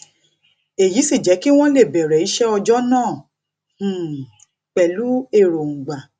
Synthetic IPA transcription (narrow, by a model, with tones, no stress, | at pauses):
e˨ji˨˦si˦˨d͡ʒɛ˨˦ki˦w̃ɔ̃˦le˦˨bɛ˨ɾɛ˨i˨˦ʃɛ˦ɔ˧d͡ʒɔ˦nãː˦˨ | k͡pɛ˨lu˨˦e˦˨ɾo˨ŋ̩̃˨ɡ͡ba˨